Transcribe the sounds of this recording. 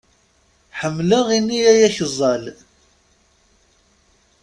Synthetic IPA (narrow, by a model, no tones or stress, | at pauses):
ħəmːləʁinːiæjæçəzˤːɑl